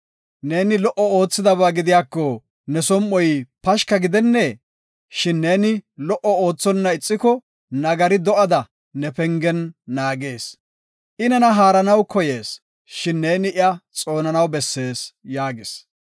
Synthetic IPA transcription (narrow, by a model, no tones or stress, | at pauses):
ne̞ːnɪlɔʔɔo̞ːt͡sːɪd̪ɐβaːɡɪd̪ɪjaːkːɔ | nɛsɔmʔɔjpɐʃkɐɡɪd̪ɛnːɛ | ʃɪnːeːnɪlɔʔɔo̞ːt͡sːɔnːɐɪt͡sʼːɪkɔ | nɐɡɐɾɪd̪ɔʔɐd̪ɐ | nɛpɛŋɡɛnːaːɡe̞ːs | ʔɪnɐnɐɦaːɾɐnɐwkɔjeːs | ʃɪnːe̞ːnɪʔɪɐt͡sʼo̞ːnɐnɐwbɛsːe̞ːsjaːɡɪs